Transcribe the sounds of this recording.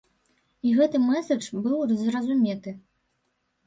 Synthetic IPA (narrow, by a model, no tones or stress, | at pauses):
iɣɛt̪ɨmɛsɐt͡ʂbɨwzrɐzumʲɛt̪ɨ